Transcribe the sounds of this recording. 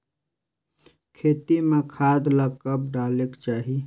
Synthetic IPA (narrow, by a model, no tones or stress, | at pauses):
kʰeːt̪imẽkʰaːd̪ləkəp̚ɖaːlekt͡ʃaːɦi